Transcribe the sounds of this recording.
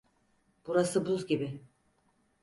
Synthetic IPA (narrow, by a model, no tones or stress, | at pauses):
b̥uɾasɯbuzɡʲibɪ